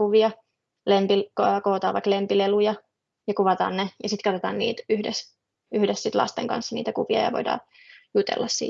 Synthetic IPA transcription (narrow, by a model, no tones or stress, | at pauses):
uʋiɑ | lempikːkoːt̪ɑ̰ːʋɑiklempilelujɑ | jɑkuʋɑt̪ɑ̰ːnnejɑsit̪kɑt̪ot̪ɑːnnḭːt̪yhdes | yhdessit̪lɑ̰st̪eŋkɑ̰nsːɑnḭːt̪ækuʋiɑjɑ̰ʋo̰idɑ̰ː | jut̪ḛlːʔɑssḭː